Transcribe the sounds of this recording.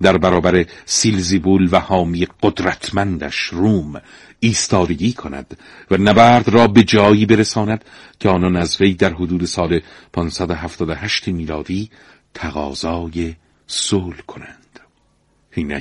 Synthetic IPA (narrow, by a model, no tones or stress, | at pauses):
d̪æɾbæɾɒːbæɾe̞silzibuːlvæhɒːmijeɡod̪ɾæt̪ʰmænd̪æʃruːm | iːst̪ɒːd̪e̞ɡiːkʰo̞næ̰d̪̥ | vænæbæːɾd̪rɒːbe̞d͡ʒɒːjiːbe̞ɾesɒːnæd̪̥ | cʲʰeɒːnɒːnæzve̞jd̪æɾɦod̪uːd̪e̞sɒːle̞ | pʰɒːnsæd̪oɦæft̪ɒːd̪ohæʃt̪ʰemiːlɒːd̪iː | t̪ʰæɣɒːzɒːje | soːlkʰo̞nænd̪̥ | hinæ